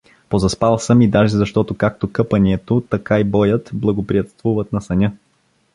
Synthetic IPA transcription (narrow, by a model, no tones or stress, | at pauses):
pozɐspalˠsəmid̪aʒɛzɐʃt̪ɔt̪okak̚t̪okɤpɐniɛt̪ot̪ɐkaibɔjət̪blˠɐɡopɾiɐt̪st̪vuvət̪nɐsɐnʲɤ